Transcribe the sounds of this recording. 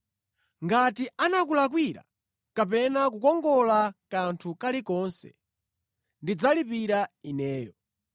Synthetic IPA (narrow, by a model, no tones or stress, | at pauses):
ŋɡatianakulak̬wiɾa̰ | kapɛnak̬ukɔŋɡɔlakantʰukalikɔnsɛ̰ | ndid͡zalipiɾainɛːjɔ